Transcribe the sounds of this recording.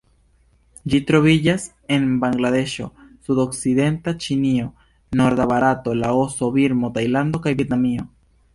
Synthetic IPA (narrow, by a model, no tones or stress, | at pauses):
d͡ʒit̪ɾo̞βid͡ʒas | e̞nbaŋɡlaðe̞ʃo̞̰sudo̞ksiðe̞nt̪at͡ʃinio̞ | no̞ɾd̪aβaɾat̪o̞laosoβiɾmo̞t̪ajland̪o̞kajbjet̪namio̞